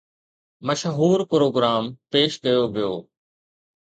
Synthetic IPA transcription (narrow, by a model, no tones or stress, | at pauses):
məʃɦuːɾpɾoːɡɾaːmpeːʃkɐjoʋɪjo̰ː